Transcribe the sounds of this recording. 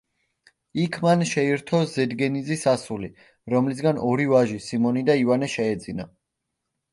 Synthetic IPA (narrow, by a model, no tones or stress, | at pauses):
ikʰmanʃɛiɾt̪ʰɔzɛd̪ɡɛnizisasuli | ɾɔmlis̬ɡanɔɾivaʒisimɔnid̪aivanɛʃɛɛd̪zina